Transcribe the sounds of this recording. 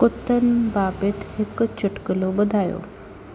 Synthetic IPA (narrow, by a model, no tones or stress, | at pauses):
kʊt̪ənbaːpɪt̪ɦɪkt͡ɕʰʊʈkəlobʊd̪ʱaːjo̰ː